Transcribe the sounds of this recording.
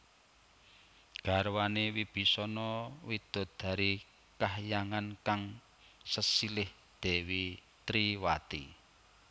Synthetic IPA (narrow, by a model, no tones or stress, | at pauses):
ɡ̥a̤ɾwanewib̥i̤sɔnɔwid̪̥ʊ̤d̪̥a̤ɾi | kaɦjaŋankaŋ | səsilɪh | d̪̥ɛ̤wi | t̪ɾiwat̪i